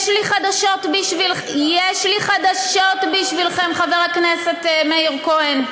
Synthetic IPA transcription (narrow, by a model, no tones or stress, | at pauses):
ʃliχad̪aʃo̞t̪biʃvil | jeʃliχad̪aʃotbiʃvilχemχaveʁaknese̞t̪meiʁkoen